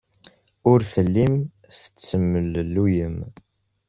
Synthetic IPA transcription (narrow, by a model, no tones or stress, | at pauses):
ʊɾfəlːim | θə̥t͡sːəmːəllːujəm